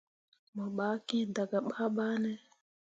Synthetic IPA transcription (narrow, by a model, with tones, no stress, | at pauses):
ma˨ɓa˨˦kĩ˦da˨ɡa˨ɓa˦ɓa˦nɛ˦